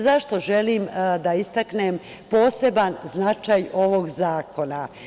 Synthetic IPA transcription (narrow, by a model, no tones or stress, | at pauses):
zaʃt̪o̞ʒe̞limd̪aist̪aknem | po̞ːse̞banznat͡ʃajo̞ʋo̞ɡzaːko̞na